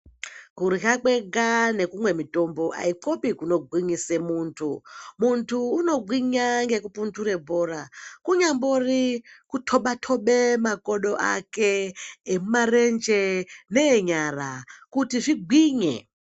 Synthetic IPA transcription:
kuɾiɦakwe̞ɡane̞kumwe̞mito̞mbo̞ʔa̰iǃopikuno̞ɡʱwiɲisemuːntʰumuntʰuːno̞ɡʱwiɲaŋɡekupuntʰuɾe̞bʱorakuɲamborikutʰoɓatʰo̞ɓe̞mako̞ɗo̞ʔa̰keːmumarend͡ʒeneːɲarakutiʐiɡʱwiːɲḛ

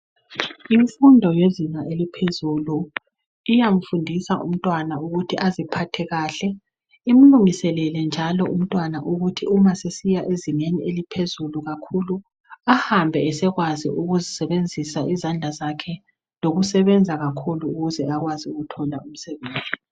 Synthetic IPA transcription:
iɱfundʱɔjeziŋaʔelipʰezulu | ijaɱ̩fundʱisaʔṵm̩tʼwanauɣutʰiʔazipʰatʰɛɣaːɬɛ | im̩luŋisɛlɛlɛnd͡ʒʱalɔʔum̩tʼwanaʔuɣutʰiumasesijaʔezineniʔelipʰezuluɣakʰulu | ahambʱɛːsɛɣwaziuɣuzisɛβend͡zʱisaʔizand͡ɮʱazakʰɛ | loɣusɛβɛnd͡zʱaɣakʰuluːɣuzɛaɣwaziuɣutʰɔlaum̩sɛβeːnd͡zʱi

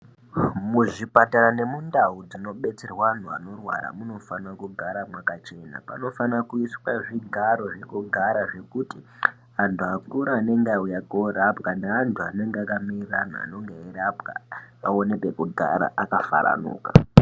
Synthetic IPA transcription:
muʐipataɾane̞mundaud͡zino̞ɓe̞t͡serwan̤ua̰no̞rwa̰ɾa̰muno̞fanakuɡʱaɾamwakat͡ʃe̞na̰pa̰no̞fanakuiswaʐiɡʱaɾo̞ʐe̞kuɡʱaɾaʐe̞kuti | antʰuakuɾaːne̞ŋɡeaujakoɾapkaneːntʰuane̞ŋɡeakamirrana̰a̰no̞ŋɡeiɾapɡa̰ao̞nepe̞kuɡʱa̰ɾa̰ʔakafa̰ɾa̰nṵːka̰

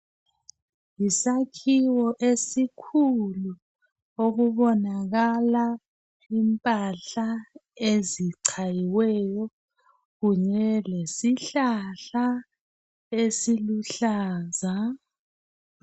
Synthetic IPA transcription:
jisakʰiwɔʔesikʰulu | oɣuβɔnaɣala | impʼaɬaeziǀʰajiwɛjɔ | ɣuɲɛlesiɬaɬa | esiluɬaːza

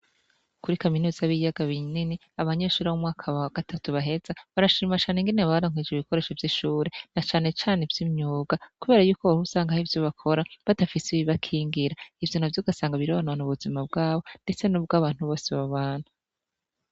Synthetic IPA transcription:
kuɾikaminuːz̥aβijaɡaβinini | aβaɲe̞ːʃuːɾawumŋaːkʰaaɡ̥atʰatuβaɦe̞zaβaɾaʃiːmat͡ʃaːneŋɡineβaβaɾoŋ̥wed͡ʒeiβiko̞ɾe̞ːʃovjiʃuːɾe̞nat͡ʃaːne̞t͡ʃaːne̞vjimɲuːɡakuβe̞ɾajuːkoβahusaːŋɡahivjoβakʰo̞ɾaβadafisiβiβakʰiːŋɡiɾaivjonavjoɡasaːŋɡaβiɾoanaanuβuzimab̚ɡaːβo̞nde̞t͡se̞nubɡaːβaːn̥huβo̞ːseβaβaːn̥hu

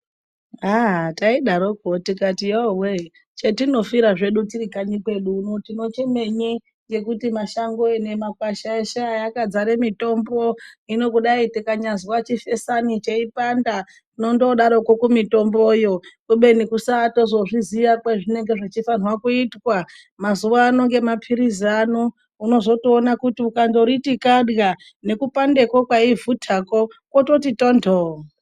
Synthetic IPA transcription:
ataiɗaɾok̚otikatijowe | t͡ʃetino̞fiɾaʐe̞ɗutirikaɲikwe̞ɗunotino̞t͡ʃe̞me̞ɲi | je̞kutimaʃaŋɡoene̞makwaʃaeʃajakad͡zaɾemito̞mbo̞ino̞kuɗaitekaɲaziwat͡ʃife̞sanit͡ʃeipanda | no̞ndoɗaɾokokumito̞mbojo̞kuɓe̞nikusaːto̞zo̞ʐiziʋakweʐine̞ŋɡeʐit͡ʃifanwakuitwa | mazuʋaːno̞ŋɡe̞mapʰiɾizano | uno̞zo̞tionakutiukando̞ɾitikaɗɣa | ne̞kupande̞kokwaivutʰako̞kwoto̞titondʰʱo

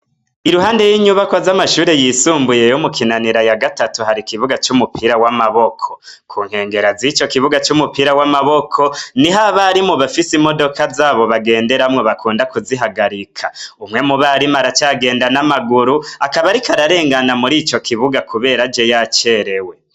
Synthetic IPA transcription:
iɾuɦaːnde̞jiːɲuβakwazamaʃuːɾe̞jisuːmbuje̞jomukʰinaniɾajaɡatatuhaɾikiβuɡat͡ʃumupʰiɾawamaβokʰo̞kʰuːŋ̥he̞ːŋɡe̞ɾazit͡ʃo̞kiβuɡat͡ʃumupiɾawamaβo̞kʰo̞niɦaβaɾimuβafisimo̞do̞kazaːβo̞βaɡe̞ːnde̞ɾamŋoβakʰuːndakuziɦaɡaɾikʰaumŋe̞muβaɾimaɾat͡ʃaːɡe̞ːndanamaɡuɾuakaβaɾikaɾaɾe̞ːŋɡanamuɾiːt͡ʃo̞kʰiβuɡakuβe̞ːɾad͡ʒejat͡ʃe̞ɾewe̞

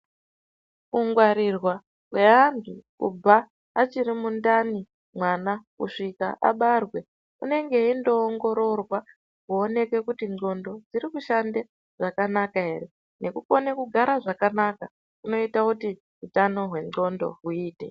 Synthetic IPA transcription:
uŋɡwaɾirwa | ɦwe̞ɦantʰukṵbʱaː | t͡ʃiɾimundani | mwanakṵʂika̰ʔa̰ɓarwe̞ | une̞ŋɡe̞indo̞ːŋɡo̞ɾo̞rwa | kuone̞kwe̞kutino̞ndo̞d͡ziɾikuʃande̞ | ʐ̥akanakaɦe̞̰ɾe̞ | ne̞kuko̞nekuɡʱaɾaʐakanaka | kuno̞itakuti | ɦutano̞ɦwe̞ŋ͡ǃo̞ndo̞̰ɦuiːtḛ

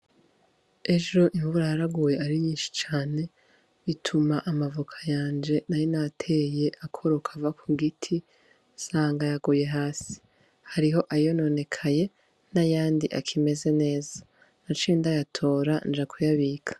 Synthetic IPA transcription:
e̞ʒo̞ʔiɱvuɾajaɾaɡuːje̞aɾiɲiːnʃi̥t͡ʃaːne̞ | βitʰumaʔamavukʰḁjaːnd͡ʒe̞najonatʰe̞je̞ʔakʰoɾokʰavakʰuɡitʰi | saːŋɡajaɡuːje̞ɦaːsi̥ | haɾiɦo̞ʔajo̞no̞ne̞kʰaje̞ | najaːndiʔa̰kʰime̞ze̞ne̞ːza | nat͡ʃindajatʰo̞ːɾand͡ʒakʰujaβikʰḁ

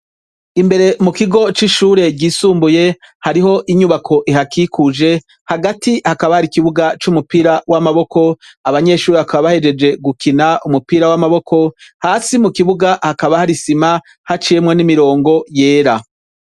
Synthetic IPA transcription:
imbe̞ɾe̞mukiɡo̞t͡ʃiʃuːɾe̞ɡɟiːsuːmbuje̞haɾiɦo̞ʔiɲuβakʰo̞ʔiɦakikʰud͡ʒe̞ | haɡatihakaβahaɾikiβuɡat͡ʃumupiɾawamaβo̞kʰo̞aβaɲe̞ʃuːɾeβakaβaβahe̞d͡ʒe̞d͡ʒe̞ɡukʰinaʔumupiɾawamaβo̞kʰo̞haːsimukiβuɡahakaβahaɾisima | hat͡ʃije̞mŋenimiɾo̞ːŋɡo̞je̞ːɾa

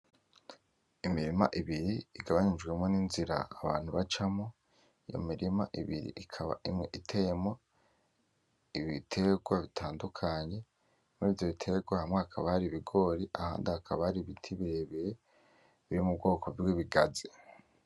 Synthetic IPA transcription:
imiɾima̰ʔiβiɾiiɡaβaɲid͡ʒɡwe̞mŋo̞ninziɾa̰ːβaːn̥huβat͡ʃamo | ijo̰miɾima̰ʔiβiɾḭʔikʰaβa̰ʔimŋeʔitʰe̞jemo̞ | iβitʰe̞ɡwaβitʰaːndukʰaɲe̞ | mŋevjoβitʰe̞ɡwahamŋeakʰaβaɾiβiɡo̞ːɾiʔaha̰ːndahakʰaβaɾiβitʰiβiɾeβiɾe | βiɾimubɡo̞ːkʰo̞vwiβiɡazi

